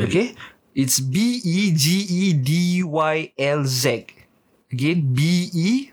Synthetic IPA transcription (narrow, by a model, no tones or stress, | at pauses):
oke | itsbiid͡ʒiidiwajɛlzɛt | əɡẽnbii